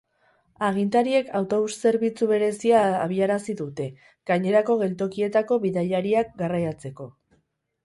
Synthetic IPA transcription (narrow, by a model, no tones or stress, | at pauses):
aɣ̞int̪aɾie̞kʰawt̪o̞βusse̞ɾβit͡suβe̞ɾe̞siaːβ̞iaɾasiðut̪e̞ | ɡ̥aɲe̞ɾako̞ɣe̞lt̪o̞kie̞t̪ako̞βiðajaɾiak̚ɡarajat͡se̞ko̞